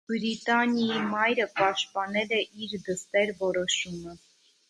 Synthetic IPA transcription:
bɾit̪ɑnjɑimɑjɾəpɑʃt̪̚pɑnɛlɛʔiɾd̪əst̪ɛɾvɔɾɔʃumə

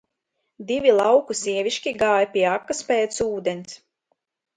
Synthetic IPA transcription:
d̪ivʲilˠɑwkusiɛvʲiʃkʲiɡaːjapʲiɛakːaspɛːt̪suːd̪enis

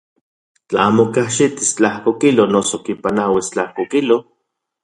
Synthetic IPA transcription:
t͡ɬaaːmokaʃit̪ist͡ɬahkokilonosokipanawist͡ɬahkokilo

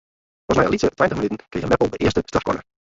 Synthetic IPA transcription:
ɔsmɛjə̰litətʋɛjəntəχmənytən̩kijəmɛpəlˠdəʔɪəstəstɑfkɔ̰nə

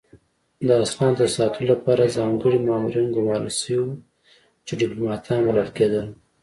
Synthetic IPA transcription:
d̪əasxɑnd̪əsɑt̪ənolapɑɾazɑŋɡəɽimɑmuɾinɡʊmɑɾəlsəwiwu | t͡ʃeɖɪplomɑt̪ʰɑnwalalked̪əl

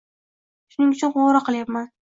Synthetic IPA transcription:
ʃʊnɪŋʊt͡ʃʰʊnʁoɾaqʰɨlˠjapman

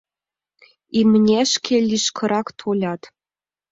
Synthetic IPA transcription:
imnʲeʃkʲʰelʲiʃkʰɤ̆ɾɑkt̪ʰolʲɑt̪

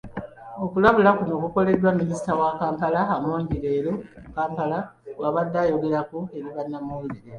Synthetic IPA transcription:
o̞kulaβulakuno̞ːkuko̞le̞dːwamːinisi̥tawakaːmpalaamoːɲɟiɾe̞ːɾomukaːmpalawaβad̪ːaːjo̞ɡe̞ɾakue̞ɾiβanːamueɾiɾe

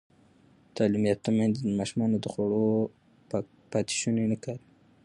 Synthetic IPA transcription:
t̪ɑlimjat̪amand̪imɑʃumɑnod̪əxaɽo | pɑt̪i̥ʃunenəkaɾ

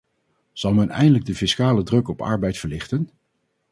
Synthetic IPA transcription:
z̥ɑlˠmɛnɛ̰jndələɡ̚dəfɪskaːlədrɵkɔpɑ̰ɹbɛjtfəɹlɪχtən

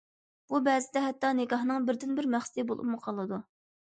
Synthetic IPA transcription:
b̥ubɛːzɪd̪ɛɦɛt̪ːɑnɪkɑɦnɨŋbɪɾd̪ɪnbɪɾmæχsɪd̪ɨbolˠṵmʊqʰɑlˠɨd̪u

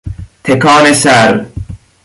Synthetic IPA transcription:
t̪ʰekʰaːnesæɾ

